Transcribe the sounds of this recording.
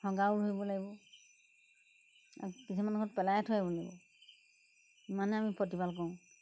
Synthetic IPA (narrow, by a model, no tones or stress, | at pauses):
hʰɔɡawɹojbɔlaɡibɔ | a̰ɹukisʰimankʰɔtpɛlajatʰɔjabɔlaɡibɔ | imanɛamipɹɔtibalk̬ɔʊ̃